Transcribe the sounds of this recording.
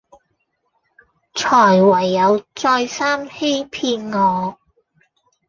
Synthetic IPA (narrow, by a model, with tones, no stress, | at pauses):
t͡sʰɔː˨˩jwɐ˨˩jːɐ˨˧wt͡sɔː˧jsaː˥mhe˥jpʰiː˧nŋɔː˨˧